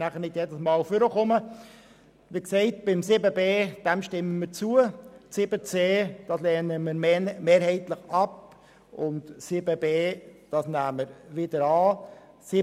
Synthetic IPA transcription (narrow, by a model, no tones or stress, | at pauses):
næχəɾnɪtjɛdəsmɑːlfʏɾəχʊmə | ʋiksɛɪtb̥ɪmsɪbəbeːd̥ɛmʃtɪməməɾt͡suəsɪbət͡seːd̥ɑslɛːnəmɪɾmeːɾhɛɪtləχɑp | ʊntsɪbəbeːd̥ɑsnæːməɾʋɪdəɾɑː | sɪ